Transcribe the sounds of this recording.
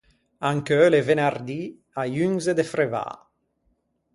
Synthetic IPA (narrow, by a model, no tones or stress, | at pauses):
aŋkølevenard̪i | ajyŋzed̪efɾeva̰